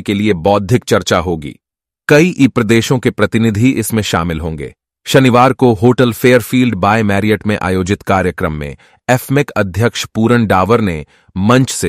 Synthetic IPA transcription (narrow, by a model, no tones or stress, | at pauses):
keliebɔːd̪ʱɪk̚t͡ʃɐɾt͡ʃaɦoːɡḭː | kɐiʔiːpɾɐd̪eːʃõkepɾɐt̪ɪnɪd̪ʱiʔɪsmẽʃa̰ːmɪlɦõːŋɡḛː | ʃɐnɪʋaːɾkoɦoːʈəlfeːəɾfiːlɖbaːemɛːɾiəʈmẽʔa̰ːjoːd͡ʒɪt̪kaːɾjəkɾəmːḛ̃ | ɛːfʰmɪkɐd̪ʱjəkʃpuːɾəɳɖaːʋəɾne | mɐ̃ɲt͡ʃse